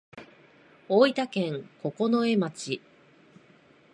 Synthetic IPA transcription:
o̞ːit̪akẽ̞ŋko̞ko̞no̞e̞mat͡ɕi

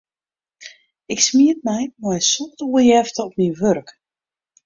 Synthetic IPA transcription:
ɪksmiət̚mɛjmɛjsɔtuəjɛftəɔpminʋørk

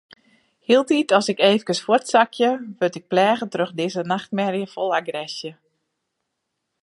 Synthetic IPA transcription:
hiəlˠtitɔsɪkeːvəkəsfortsakʰjəʋøtɪk̚plɛːɣətrøxdɪzənaxt̚mɛrjəfolˠaɡrɛsjə

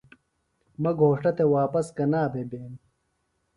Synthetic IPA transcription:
mɐɡʱoːʂʈɐt̪ewaːpɐskɐnaːbebeːn

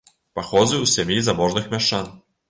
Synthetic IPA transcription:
paxɔzɨwsʲɛmʲjizabɔʐnɨxmʲaʃan

